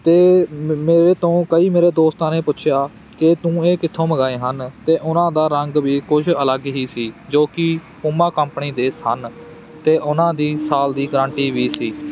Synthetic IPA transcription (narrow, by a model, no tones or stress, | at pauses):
t̪eːmeːɾeːt̪õːkəiːmeːɾeːd̪oːst̪ãːnẽːpʊtːʃʰɪjaː | kɪt̪ũːeːkɪt̪ʰːõːməɡaːeːɦənt̪eːʔʊnãːd̪aːɾəŋɡʋiːkʊd͡ʒələɡɦiːsiːd͡ʒoːkɪ | pʊmãːkəmpniːd̪eːsən | t̪eːʔʊnãːd̪iːsaːld̪iːɡɾə̃ːɳʈiːʋiːsiː